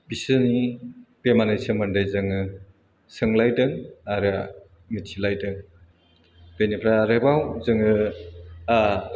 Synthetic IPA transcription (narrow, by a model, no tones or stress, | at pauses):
bisɯnipemanejsəmɐndɯjzɯŋɯ | sɯŋlajdɯŋaɾɯ | mitʰilajdɯŋ | pejnipɾaɾebawzɯŋɯ